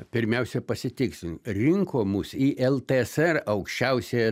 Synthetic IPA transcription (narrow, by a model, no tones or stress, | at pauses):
pʲɪɾʲmʲɛʊsʲɛpɐsʲɪt̪ʲɪksʲɾʲɪŋkoːmusiːʔɛlˠt̪eɛsɛrɐʊkʃʲt͡ʃʲɛʊsʲeː